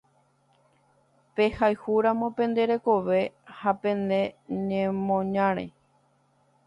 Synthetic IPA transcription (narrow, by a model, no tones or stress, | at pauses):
pe̞hajhuɾãmõ̞pẽ̞nd̪e̞ɾe̞ko̞ʋe̞hapẽ̞nd̪e̞ɲẽmõɲãɾ̃ḛ